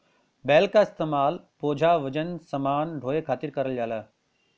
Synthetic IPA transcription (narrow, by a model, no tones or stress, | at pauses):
bɛːlkaɪst̪eːmaːlpoːd͡ʒʱaːʋəd͡ʒənsɐmaːnɖʱoːekʰaːt̪iɾkɐɾəljaːlaː